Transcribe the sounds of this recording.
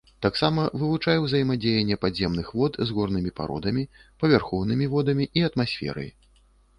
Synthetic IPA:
t̪aksamɐvɨvut͡ʂajɛwzɐjimad͡zʲejɛnʲːɛpazʲɛmnɨxvɔt̪zɣɔrnɨmʲipa̰ɾɔ̰d̪ɐmʲipɐvʲarxɔwnɨmʲivɔd̪ɐmʲiʔiɐt̪masʲfʲɛ̰ɾɐ̰j

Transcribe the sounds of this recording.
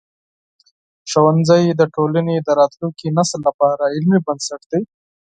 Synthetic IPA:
ʃowanzəjd̪əʈolaned̪əɾɑt̪luŋkinaslːapɑɾaɪlmibansaʈd̪i

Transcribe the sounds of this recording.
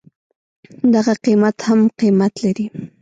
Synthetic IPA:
d̪aɣaqimat̪hamqimat̪laɾi

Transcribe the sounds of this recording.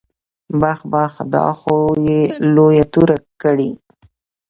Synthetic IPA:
baxbaxd̪ɑ̰xojelojat̪uɾakəɽi

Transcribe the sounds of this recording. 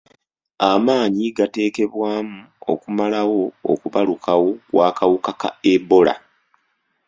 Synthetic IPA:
amaːɲiɡate̞ːke̞βwaːmu | o̞̰kumalawo̞o̰kuβalukʰawo̞waːkawukaka̰ebo̞la̰

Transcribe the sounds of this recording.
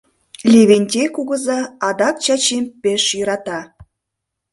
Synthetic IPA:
lʲeβenʲtʲekuɣə̆zɑɑd̪ɑkt͡ɕɑt͡ɕempeʃjəɾɑt̪ɑ

